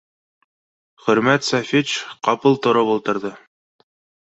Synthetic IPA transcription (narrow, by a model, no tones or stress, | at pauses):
χɵ̆ɾmæt̪sæfʲit͡ʃqɑpɤlˠt̪ŏɾɤpulˠt̪ɤ̆ɾðɤ